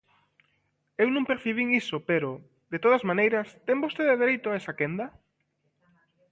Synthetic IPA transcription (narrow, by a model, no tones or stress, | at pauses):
ewnõŋpeɾθiβiŋisopeɾʊ | ðet̪oð̞ɐzmanejɾɐst̪eŋbost̪eðeðeɾejt̪ʊaesakend̪ɐ